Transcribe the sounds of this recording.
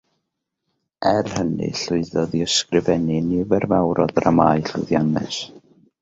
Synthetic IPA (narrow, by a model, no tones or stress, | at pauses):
ɛrhənɨ̰ɬʊɨðɔðiəskrɪvɛnɪnivɛrvawɾɔðramajɬʊðjanɛ̰s